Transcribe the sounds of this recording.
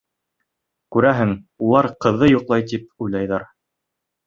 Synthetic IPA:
kʉɾæɦɘŋulˠɑɾqɤ̆ðːɤjuqlˠɑjt̪ip̚ujlɑjðɑɾ

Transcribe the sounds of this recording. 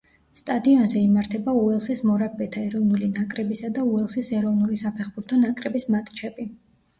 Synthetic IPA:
st̪ʼad̪iɔnzɛimaɾt̪ʰɛbauɛlˠsismɔɾakʰbɛt̪ʰaɛɾɔvnulinakʼɾɛbisad̪auɛlˠsisɛɾɔvnulisapʰɛχbuɾt̪ʰɔnakʼɾɛbismat̪ʼt͡ʃʰɛbi

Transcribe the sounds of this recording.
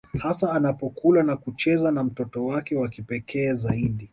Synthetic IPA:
hasaːnapɔkulanakut͡ʃɛzanam̩tɔtɔwakɛwakipɛkʰɛːzaiɗi

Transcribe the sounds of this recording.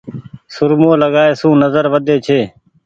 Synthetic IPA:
sʊɾmõːləɡaːeːsũːnəzəɾʋəd̪eːt͡ʃʰeː

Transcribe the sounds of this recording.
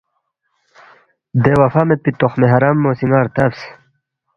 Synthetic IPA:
d̪ewɐfamepit̪oχmeɦɐɾamːoːsiŋɡaːɾt̪ɐfs

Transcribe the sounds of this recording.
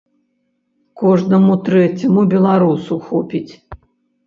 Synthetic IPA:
kɔʐnɐmut̪ɾɛt͡sʲɐmubʲɛlˠaɾusuxɔpʲit͡sʲ

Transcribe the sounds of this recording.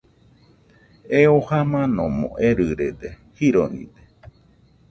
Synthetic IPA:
eohamãnõmõ̰ʔeɾɨɾed̪e | hiɾonḭ̃d̪e

